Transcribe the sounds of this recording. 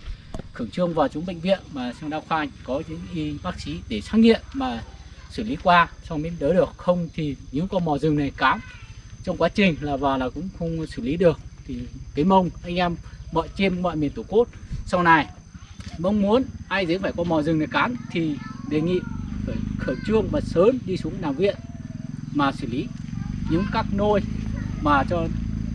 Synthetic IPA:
xɨ˧˩əŋt͡ɕɨ˧əŋvaː˨˩wt͡ɕʊ˨˦ŋ͡mɓḛ˧˨ŋ̟vḭ˧˨ənmaː˨˩sa˧wɗaː˧wxwaː˧˨ŋkɔ˨˦zɨ̰˧˥ŋʔi˧ɓaː˦˥k̚si˨˦ɗe˧˩saː˨˦˥k̚ŋḭ˧˨əmmaː˨˩sɨː˧˩li˨˦kwaː˧sa˧wmi˨˧˥nɗəː˨˦ɗɨ˨˩ək̚xə˧wŋ͡mt̪ʰi˨˩ɲɨ̰˧˥ŋkɔ˧mɔ˨˩zɨ˨˩ŋna˨˩jkaː˨˦nt͡ɕɔ˧wŋ͡mkwaː˨˦t͡ɕï˨˩ŋ̟laː˨˩vaː˨˩wlaː˨˩kʊ̰˧˥ŋ͡mxə˧wŋ͡msɨ˧˩li˨˦ɗɨ˨˩ək̚t̪ʰi˨˩kaː˨˦jmə˧wŋ͡mʔa˧jŋ̟ʔɛ˧mːɔ̰˧˨jt͡ɕi˧mmɔ̰˧˨jmi˨˩ənt̪u˧˩ku˦˥t̚sa˧wna˨˩j | mə˧wŋ͡mmu˨˦ənʔaː˧jzə˨˦˥faː˧˩jkɔ˧mɔ˨˩zɨ˨˩ŋna˨˩jkaː˨˦nt̪ʰi˨˩ɗe˨˩ŋḭ˧˨fəː˧˩jxəː˧˩t͡ɕɨ˧əŋma˨˩t̚səː˨˦nɗi˧su˨˦əŋlaː˨˩mvḭ˧˨ən | maː˨˩sɨ˧˩li˨˦ɲɨ̰˧˥ŋkaː˦˥k̚no˧jmaː˨˩t͡ɕɔ˧

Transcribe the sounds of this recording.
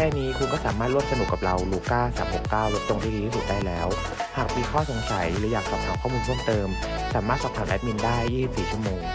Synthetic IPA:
kʰɛː˥˩niː˦˥kʰu˧nkɔː˥˩saː˩˦maː˥˩t̪ɾu˥˩msa˧nu˨˩kːa˨˩p̚ɾa˧wluː˧kaː˥˩sa̰ː˩˦mho˨˩kːaː˥˩wlo˦˥t̪̚o˧ŋt̪ʰiː˥˩iː˧i˥su˨˩t̪̚daː˥˩jlɛː˦˥w | haː˨˩k̚miː˧kʰɔː˥˩so˨˦ŋsa˨˩˦jlːjaː˨˩k̚sɔː˨˩ŋkʰa˨˧˩pkʰɔː˥˩muː˧nt͡ɕʰu˥˩əmt̪ɤː˧m | saː˩˦maː˥˩t̪̚sa˨˩p̪̚ʰaː˨˩nʔɛ̰˦˥p̚mi˧ndaː˥˩jːiː˥˩si˨˩psiː˨˩t͡ɕʰu˥˩əmoː˧ŋ

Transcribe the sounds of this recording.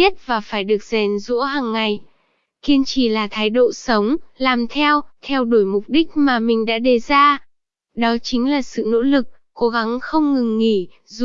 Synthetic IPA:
i˦˥ət̚vaː˨˩faː˧˩jɗɨ˨˩ək̚zɛ˨˩nzṵ˧˥əɦaː˨˩ŋːa˨˩j | ki˧ənt͡ɕi˧˩laː˨˩t̪ʰaː˨˦jɗo̰˧˨sə˨˦wŋ͡mlaː˨˩mt̪ʰɛ˧wt̪ʰɛ˧wɗo˧˩jmʊ˨˩k͡p̚ɗï˦˥k̟̚maː˨˩mï˨˩ŋ̟ɗa̰ː˧˥ɗe˨˩zaː˧ | ɗɔ˨˦t͡ɕï˨˦ŋ̟laː˨˩sɨ̰˧˨no̰˧˥lɨ˨˩k̚ːo˨˦ɣa˨˦ŋxə˧wŋ͡mŋɨ˨˩ŋːi˧˩ | z

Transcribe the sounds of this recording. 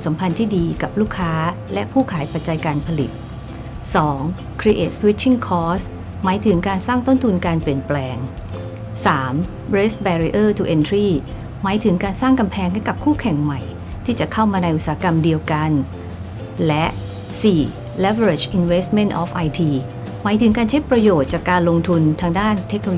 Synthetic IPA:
msa˩˦mpʰa˧nt̪ʰiː˥˩diː˧ka˨˩p̚luː˥˩kʰːaː˦˥ | lɛ˦˥ʔpʰuː˥˩kʰaː˩˦jpa˨˩t̪̚t͡ɕa˧jkaː˧npʰa˧lḭ˨˩t̪̚ | sɔː˩˦ŋ | kʰɾi˧˥ʔḛː˨˩t̪̚swi˦˥tt͡ɕʰːi˥˩ŋkʰɔː˦˥s | maː˩˦jt̪ʰɯ˩˦ŋkaː˧nsaː˥˩ŋt̪o˥˩nt̪ʰu˧nkaː˧npli˨˩ənplɛː˧ŋ | saː˩˦m | bɾe˦˥st̪̚bɛː˧ɾi˧˥ʔɤː˥˩t̪ʰu˧ʔe˧nt̪ʰɾiː˥˩ | maː˩˦jt̪ʰɯ˩˦ŋkaː˧nsaː˥˩ŋka˧mpʰɛː˧ŋhɛ˥˩jka˨˩p̚kʰuː˥˩kʰɛ˨˩ŋma˨˩j | t̪ʰiː˥˩t͡ɕa˨˩ʔkʰa˥˩wmaː˧na˧jʔu˨˩saː˩˦˥ka˧mdi˧əwka˧n | lɛ˦˥ʔ | siː˨˩ | lɛ˦˥fe˧ɾe˨˩t͡ɕʔi˧nweː˦˥st̪̚me˥nʔɔː˦˥fʔa˧jt̪ʰiː˧ | maː˩˦˥jt̪ʰɯ˩˦ŋkaː˧nt͡ɕʰa˦˥jpɾa˧joː˨˩t̪̚t͡ɕaː˨˩kːaː˧nlo˧ŋt̪ʰu˧nt̪ʰaː˧ŋdaː˥˩nt̪ʰe˦˥k̚noː˧

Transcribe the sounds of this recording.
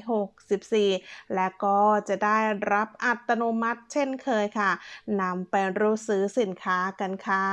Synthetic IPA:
ɦo˨˩k̚si˨˩p̚siː˨˩lɛː˦˥wkɔː˥˩t͡ɕa˨˩daː˥˩jɾa˦˥p̚ʔa˨˩t̪ːa˧noː˧ma˦˥t̪̚t͡ɕʰe˥˩nkʰɤː˧jkʰa˥˩na˧mpa˧jɾuː˦˥sɯː˦˥si˨˩˦nkʰaː˦˥ka˧nkʰa˥˩

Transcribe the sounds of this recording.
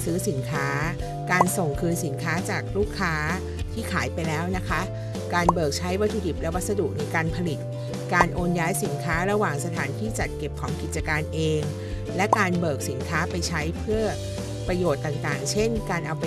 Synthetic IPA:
sɯː˦˥si˩˦nkʰaː˦˥ | kaː˧nso˨˩ŋkʰɯː˧nsi˩˦nkʰaː˦˥t͡ɕaː˨˩k̚ɾuː˥˩kʰːaː˦˥ | t̪ʰiː˥˩kʰaː˩˦jpa˧jlɛː˦˥wna˦˥kʰa˦˥ʔ | kaː˧nbɤː˨˩k̚t͡ɕʰa˦˥jwa˦˥t̪ʰːuː˧di˨˩p̚lɛ˦˥wa˦˥t̪̚sa˧du˨˩k̚na˧jkaː˧npʰa˧li˨˩t̪̚ | kaː˧nʔoː˧njaː˦˥jsi˩˦nkʰaː˦˥ɾa˧waː˨˩ŋsa˧t̪ʰaː˩˦nt̪ʰiː˥˩t͡ɕa˨˩t̪̚ke˨˩p̚kʰɔː˩˦ŋki˨˩t̪̚t͡ɕa˧kaː˧nʔeː˧ŋ | lɛ˦˥ʔkaː˧nbɤː˨˩k̚si˩˦nkʰaː˦˥pa˧jt͡ɕʰa˦˥jpʰɯ˥˩ɐ | pɾa˧joː˨˩t̪ːaː˨˩ŋt̪aː˨˩ŋt͡ɕʰe˥˩nkaː˧nʔa˧wp

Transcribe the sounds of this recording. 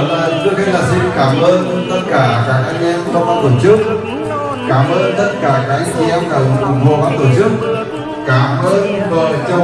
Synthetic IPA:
əː˨˩jt͡ɕu˧˦˥ək̚e˨˦laː˨˩si˧nkaː˧˩mʔəː˧n | t̪ə˦˥t̚kaː˧˩kaː˦˥k̚ʔa˧jŋ˧ʔɛ˧mə˧wŋ͡mvaː˧t̪o˧˩t͡ɕɨ˦˥ək̚ | kaː˧˩mʔəː˧nt̪ə˦˥t̚kaː˧˩kaː˧k̚ʔa˧t͡ɕi˧ʔɛ˧mkə˨˩wʊ˨˩ŋ͡mvu˨˩əvaː˧˦t̪o˧˩t͡ɕɨ˦˥ək̚ | kaː˧˩mʔəː˧nvə̰˧˨jt͡ɕə˧

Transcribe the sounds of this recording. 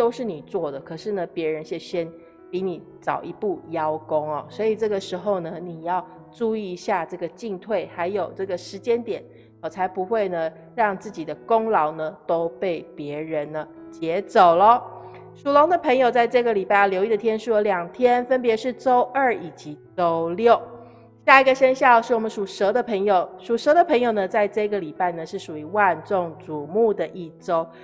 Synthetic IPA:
t̪o˥ʊʂɻ̩˥˩ni˨˩t͡swɔ˥˩d̪ə˩kʰɤ˨˩ʂɻ̩˥˩nə˩pjɛ˧˥ɻə˧˦nɕjɛ˥˩ɕjɛ˥n | pi˧˥˦ni˨˩ | t͡sɑ˨˩ʊʔi˧˥pu˥˩jɑ˥ʊko˥ŋɐ˨˩swɔ˧˥i˨˩ʈ͡ʂɤ˥˩ɡə˨ʂɻ̩˧˥xo˥˧ʊnə˨ni˨˩jɑ˥˧ʊ | ʈ͡ʂu˥˧i˥˧˥ɕja˥˧ʈ͡ʂɤ˥˩ɡə˩t͡ɕi˥˧ŋt̪ʰwe˥˩ɪxa˧˥ɪjo˨˩ʊʈ͡ʂɤ˥˩ɡə˩ʂɻ̩˧˥t͡ɕjɛ˥nt̪jɛ˨˩˦n | wɔ˨˩t͡sʰa˧˥ɪpu˧˦xwe˥˩ɪnə˩ | ɻɑ˥˧ŋt͡sɹ̩˥˩t͡ɕi˨˩d̪ə˦kʊ˥ŋlɑ˧˥ʊnə˧t̪o˥ʊpe˥˩ɪpjɛ˧˥ɻə˧˦nə˧ | t͡ɕjɛ˧˥t͡so˨˩ʊlə˦ | ʂu˨˩lo˧˥ŋd̪ə˨pʰə˧˥ŋjo˨˩ʊt͡sa˥˧ɪʈ͡ʂɤ˥˧ɡə˩li˨˩pa˥˩ljo˧ʊi˥˩d̪ə˩t̪ʰjɛ˥nʂu˥˩ə˧˦ljɑ˨˩ŋt̪ʰjɛ˥nfə˥npjɛ˧˥ʂɻ̩˥˩ʈ͡ʂo˥ʊʔə˞˥˩i˨˩t͡ɕi˧˦t͡so˥ʊljo˥˩ʊ | ɕja˥˩i˧˥ɡə˨˧ɕə˥nɕjɑ˥˧ʊʂɻ̩˥˩wɔ˨˩mə˦ʂu˨˩ʂɤ˧˥d̪ə˨pʰə˧˥ŋjo˨˩ʊʂu˨˩ʂɤ˧˥d̪ə˨pʰə˧˥ŋjo˨˩ʊnə˩t͡sa˥˧ɪʈ͡ʂɤ˥˧i˧˥ɡə˨li˨˩pa˥˩ɪnə˩ʂɻ̩˥˩ʂu˨˩i˧˥wa˥˧nt͡so˥˩ŋt͡su˨˩mu˥˩d̪ə˩ʔi˥˩ʈ͡ʂo˥ʊ

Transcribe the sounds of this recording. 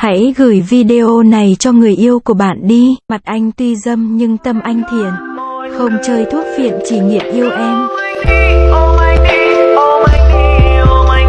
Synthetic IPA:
ha̰˧˥jɣɨ˧˩jvi˧ɗe˧ʔo˧na˨˩jt͡ɕɔ˧ŋɨ˨˩əjʔi˧əwku˧˩əɓa̰ː˧˨nɗi˧ma˨˩t̚ʔa˧jŋ̟t̪wi˧zə˧mɲɨ˧ŋt̪ə˧mʔa˧jŋ̟t̪ʰi˧˨ənxə˧wŋ͡mt͡ɕəː˧jt̪ʰu˦˥ət̚fḭ˧˨ənt͡ɕi˧˩ŋḭ˧˨əmʔi˧əwʔɛ˧m˧

